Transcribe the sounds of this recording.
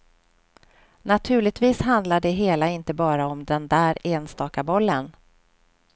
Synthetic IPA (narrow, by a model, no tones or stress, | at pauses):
nat̪ʰʉ̟ːɭɪɡ̚t̪viːsɦand̪laɖɛɦeːlaɪnt̪əbɑːɾaɔmd̪ɛnd̪æːɾeːnst̪ɑːkabɔlːən